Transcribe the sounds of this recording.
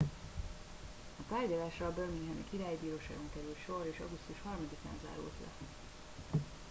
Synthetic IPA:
ɒt̪aːrɟɒlaːʃrɒbørmiŋɡɦɛmḭkiɾaːjibiːɾoːʃa̰ːɡo̞ŋkɛɾylt̪ʃo̞ɾeːʃɒ̰ɡust̪uʃhɒrmɒd̪ika̰ːnza̰ːɾṵlt̪lɛ̰

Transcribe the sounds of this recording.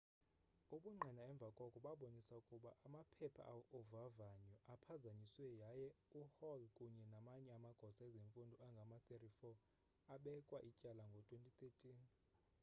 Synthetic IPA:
uɓuŋ͡ǃʱɛnaɛɱb̪vʱakʼɔkʼuɓaɓonisaukʼuɓaʔamapʰɛpʰa̰ʔaɔvavaɲɔʔapʰazaɲiswɛjajɛuhɔlkʼuɲɛnamaɲɛamaɡ̥ʱɔsaɛzeɱfundʱɔaŋɡʱamatʼerifɔ | aɓɛkʼwaʔicʼalaŋɡʱɔtʰʼwentʼit̪ʰʼetʼiːn

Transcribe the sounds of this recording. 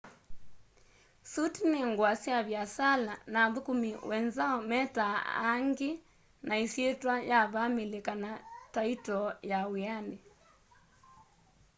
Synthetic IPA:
sutineŋɡwasjaβjasalanaðukumiwɛnzaɔmɛtaa̰ŋɡe | naisjetwajaβamelekanataitɔjawiane

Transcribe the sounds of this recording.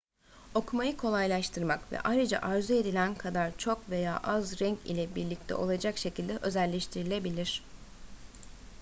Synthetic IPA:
o̞kʰumajɯkʰo̞lˠajlˠaʃt̪ʰɯɾmakvɛ̰ʔajɾɯd͡ʒa̰ʔaɾzue̞d̪ilʲænkʰad̪aɾt͡ʃʰo̞kve̞ja̰ːʔazɾɛɲcḭlʲɛbiɾlʲic̚t̪ʰɛ̰ʔo̞lˠad͡ʒakʃe̞cʰilʲd̪ɛʔø̞zælʲːeʃt̪ʰiɾilʲe̞bilʲiɾ̝̥

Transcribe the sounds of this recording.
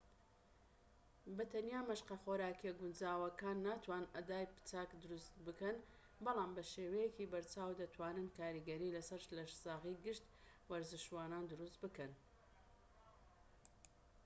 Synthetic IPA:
bɐt̪ʰɐnjaːmɐʃqɐχoːɾaːkeɡʊnd͡ʒaːwɐkaːnːaːt̪ʰwaːnɐd̪aːjpɨ̥t͡saːkd̪ʊɾust̪bɨkɐn | bɑlaːmbɐʃeːwɐjekiːbɐɾt͡ʃaːwd̪ɐt̪ʰwaːnɨnkaːɾiɡɐɾiːlɐsɐɾʃlɐʃzaːɣiɡɨʃt̪ | wɐɾzɨʃwaːnaːnd̪ʊɾust̪bɨkɐn

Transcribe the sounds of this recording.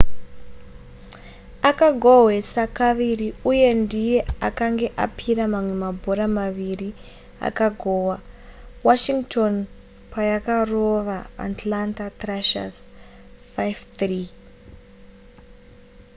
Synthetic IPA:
akaɡʱoɦwe̞sakaʋiriuje̞ndije̞akaŋɡe̞ʔa̰pʰiɾamamwe̞mabʱo̞ɾamaʋiri | a̰kaɡʱowawaʃiŋɡtʰo̞n | pajakaro̞ʋa̰ːtlantatraʃa̰z | fajvt̪ri

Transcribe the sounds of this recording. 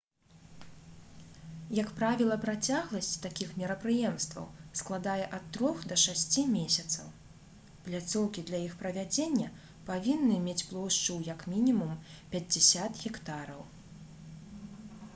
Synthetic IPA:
jɐkpɾavʲilˠɐpɾat͡sʲaɣlˠɐsʲt͡sʲt̪akʲixmʲɛɾɐpɾɨjɛmst̪vɐ̰wsklˠad̪ajɛʔɐt̪ːɾɔxd̪ɐʂasʲt͡sʲimʲesʲɐt̪sɐw | plʲat̪sɔwkʲid̪lʲɐjixpɾɐvʲad͡zʲenʲːɐ | pavʲinːɨmʲet͡sʲplˠɔwʂt͡ʂuwjɐkmʲinʲimumpʲɐd͡zʲɛsʲat̪ɣʲɛkt̪aɾɐw

